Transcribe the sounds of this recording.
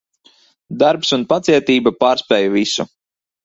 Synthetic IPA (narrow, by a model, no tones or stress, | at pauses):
d̪aɾpsunpat̪siɛt̪iːbapaːɾspɛːjuvisṵ